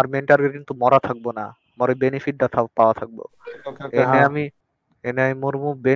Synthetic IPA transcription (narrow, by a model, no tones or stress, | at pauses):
aɾmeɳʈaɾɡeɾkint̪umɔɾat̪ʰak̚bona̰ | amaɾobenifiʈ̚ɖat̪ʰapaoat̪ʰak̚bo̰ | eneami | eneamimoɾmube